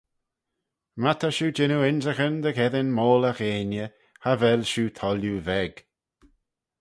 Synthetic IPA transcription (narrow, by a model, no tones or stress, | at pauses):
mat̪ʰəʃuːd͡ʒɪnuɪnzəxənd̪əkɛðənmoːləxeːnjə | havɛlʃuːt̪ʰɔljuvɛɡ̥